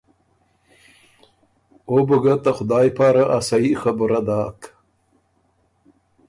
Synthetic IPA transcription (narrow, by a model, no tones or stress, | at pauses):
obəɡat̪axʊd̪ɑːjpɑːɾaʔasaixabʊɾad̪ɑːk